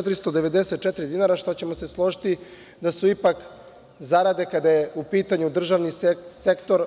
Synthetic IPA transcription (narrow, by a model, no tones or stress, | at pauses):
t̪ɾist̪od̪eʋe̞d̪eset̪̚t͡ʃet̪ɾid̪inaɾaʃt̪o̞t͡ɕe̞mo̞se̞slˠo̞ʒit̪i | d̪asuipak | zaɾad̪e̞kad̪ajeupiːt̪aɲud̪r̩ʒaʋnisekt̪o̞ɾ